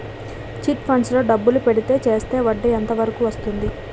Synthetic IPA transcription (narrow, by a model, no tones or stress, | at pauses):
t͡ʃiʈpʰɐɳɖslo̞ːɖɐbːulupe̞ɽit̪e̞ːt͡ʃe̞ːst̪e̞ːʋɐɖːɐjɐnt̪ɐʋɐɾɐkuʋɐst̪und̪i